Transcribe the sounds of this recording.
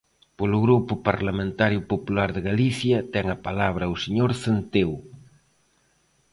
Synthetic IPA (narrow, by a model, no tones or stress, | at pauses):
polʊɣɾupʊpaɾlamẽnt̪aɾjʊpopulaɾðeɣaliθjɐt̪ɛŋɐpalaβ̞ɾɐuwseɲoɾθent̪ew